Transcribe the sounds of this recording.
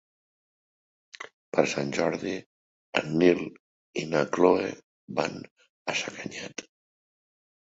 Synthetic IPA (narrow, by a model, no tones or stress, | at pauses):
pəɾsanʲʒɔɾði | ə̰nːil | inakloḛ | βan | əsəkəɲat̪